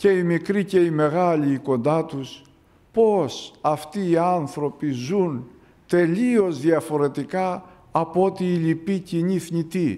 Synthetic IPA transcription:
ce̞imikɾice̞ime̞ɣɐliːko̞nd̪ɐt̪us | po̞sɐft̪iːɐnθɾo̞pizun | t̪e̞lio̞zðiɐfo̞ɾe̞t̪ikɐː | po̞t̪iːlipiciɲiθɲit̪i

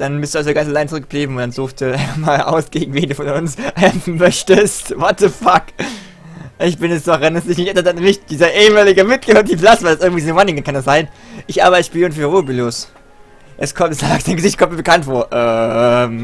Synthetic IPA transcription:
d̥anbɪstd̥uːazoɡansalaɪnt͡sʊʁʏkɡ̥̚əb̥liːbm̩ʊntd̥anz̥uːxtiʔaɪnfamaːlʔa̰ʊsɡ̥eːɡŋ̩veːnduːfɔnʊnsʔɛmfn̩mœçtəstvɔt̚ðəfak | ʔɪçb̥ɪnɛsd̥ɔχvɛndɛsnɪçnɪçʔɛaɐtannɪçt̚d̥iːzɐʔeːəmaːlɪɡəmɪt̚ɡ̥əød̥iplasv̥aɪlasʔɪɐɡŋ̩tv̥iːzmanɪŋəkʰandasz̥aɪnʔɪçʔa̰ːbɐɪtə̥ʃpiːlɪnfyːʁoːbilos | ʔɛskʰɔmtsaːksaɪnɡəzɪçt̚kʰɔmt̚miɐbəkʰantfoːɐʔɛːm

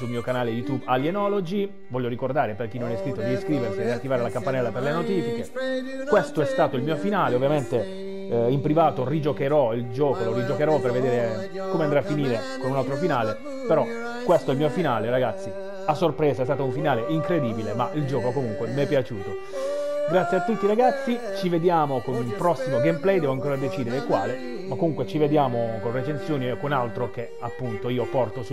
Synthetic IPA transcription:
sulmiːokanaːlejut̪ubaljenɔlod͡ʒi | vɔʎːoɾikord̪aːɾeperk̟inːonɛskɾit̪ːod̪iiskɾiːversid̪iat̪ːivaːɾelakampanɛlːaperlenot̪iːfike | kwest̪oɛst̪aːt̪oilmiːofinaːleovːjament̪e | impɾivaːt̪orid͡ʒokeɾɔild͡ʒɔːkoloɾid͡ʒokeɾɔperved̪eːɾe | komeand̪ɾeafːiniːɾe | konunalt̪ɾofinaːle | peɾɔ | kːwest̪oɛlmiofinaːleɾaɡat̪sːi | asːorpɾɛːsaɛst̪aːt̪ouɱfinaːleiŋkɾed̪iːbilemaʔild͡ʒɔːkokomuŋkwemɛpːjat͡ʃuːt̪o | ɡɾat̪sjeat̪ːut̪ːiɾaɡat̪sːi | t͡ʃived̪jaːmokonulpɾɔsːimoɡɛmplɛjd̪ɛvoaŋkoːɾad̪et͡ʃiːd̪eɾekwa̰ːle | makːomuŋkwet͡ʃived̪jaːmokonret͡ʃensjoːnikonalt̪ɾok̟e | apːunt̪oiːopɔrt̪osu

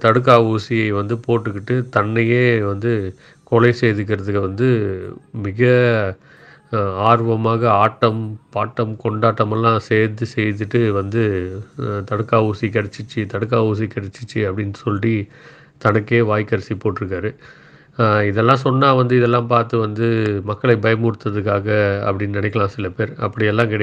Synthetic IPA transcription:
t̪ɐɽɯk̬ːaːuːsɪjɐɪʋɐnd̪ɯpoːʈːɯkːɪʈːɯt̪ɐnːɐjeːʋɐnd̪ɯ | koːlɐɪsejðɯk̬ːɪɾɐðɯkːɯʋɐnd̪ɯmɪɣɐ | aːɾʋɐmaːɣɐaːʈːɐmpaːʈːɐmkɔɳɖaːʈːɐmɛlːãːseːɾðɯsɛjt̪ɯʈːɯʋɐnd̪ɯ | t̪ɐɽɯkːaːuːsikɐɽɐt͡ʃːɯt͡ʃːɯt̪ɐɽɯk̬ːaːuːs̬ikɪɽɐt͡ʃːɯ̥t͡ʃːɯɐpːɐɽɪnːɯsɔlːi | t̪ɐnɐkːeːʋaːjkːɐɾsipoːʈːɪɾɯk̬ːaːɾɯ | ɪðɛlːãːsɔnːaːʋɐnd̪ɯɪðɛlːãːpaːɾt̪ɯʋɐnd̪ɯmɐkːɐɭɐɪbɐjɐmuːɽɯt̪ːɐðɯkːaːɣɐ̰ːpːɐɽɪnːnɪnɪkːɐɭãːsɪlɐpeːɾɐpːɐɽɪjɛlːãːkɪɽɐ

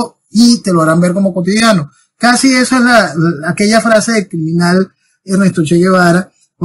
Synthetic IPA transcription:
o | it̪e̞loaɾambe̞ɾko̞moko̞t̪iðjano | kasie̞soe̞slaːke̞ʝafɾase̞ðekɾimĩnal | enest̪ɾot͡ʃeʝeβaɾa

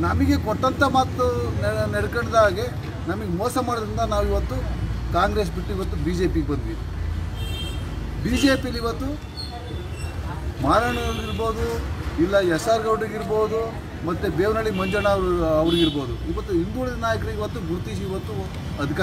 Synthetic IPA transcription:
nɐmiɡe̞kɔʈːɐnt̪ʰɐmaːt̪unnɛɽkɐɳd̪aːɡe̞ | nɐmɐɡemɔːsɐmaːɽod̪ɾind̪ɐnaːʋuiʋɐt̪ːukaːŋɡɾes̬biʈːuiʋɐt̪ːubiːd͡ʒe̞ːpiɡebɐnd̪iːd̪i | biːd͡ʒe̞ːpijɐlːiʋɐt̪ːu | maːɾaɳɐɡɐɭuiɾbo̞ːd̪uilːɐɛsaːɾɡɐʋɽiɡiɾboːd̪u | mɐt̪ːubeːʋnɐɭimɐɲd͡ʒɐɳɐʋɾɐʋɐɾiɡiɾbo̞ːd̪uiʋɐt̪ːuind̪uuɭid̪ɐnaːjɐk̬ɾiɡeiʋɐt̪ːuɡuɾt̪iːʃ̬iʋɐt̪ːu | ɐd̪ʱika

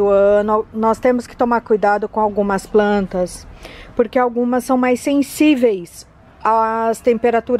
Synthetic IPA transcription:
ʊɐ̃nʊnɔst̪ẽmʊskɪ̥t̪omaɾkujd̪ad̪ʊkõawɡũmɐsplɐ̃nt̪ɐspoɾkeawɡũmɐsːɐ̃w̃majssẽsivejs | ast̪ẽmpeɾat̪uɾ

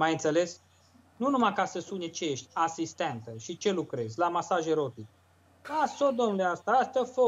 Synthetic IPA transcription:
majɨnt̪sele̞s | nunumakasəsunʲet͡ʃejeʃt̪ʲasist̪ent̪əʃit͡ʃe̞lukɾe̞zʲlamasaʒeɾot̪ik | asod̪omnuleast̪aast̪ʲəfo

